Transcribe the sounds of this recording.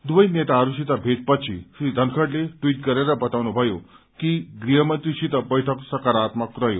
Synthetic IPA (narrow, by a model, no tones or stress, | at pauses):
d̪ʋəjnet̪aːɾuɕit̪abʱet̪̚pət̪ɕʰĩɕid̪ʱənkʰəɽleʈʋiːʈkəɾjaɾabət̪aʋnobʱəjo | kiɡɾiɦəmənt̪ɾiɕit̪əbəjʈʰəksəkaɾaːt̪məkɾəjo